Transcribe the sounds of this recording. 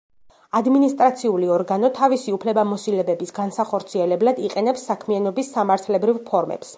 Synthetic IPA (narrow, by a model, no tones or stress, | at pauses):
ad̪minist̪ʼɾat̪sʰiuliɔɾɡanɔt̪ʰavisiupʰlɛbamɔsilɛbɛbisɡansaχɔɾt̪sʰiɛlɛblˠad̪iqʼɛnɛpsːakʰmianɔbisːamaɾt̪ʰlɛbɾivpʰɔɾmɛ̰ps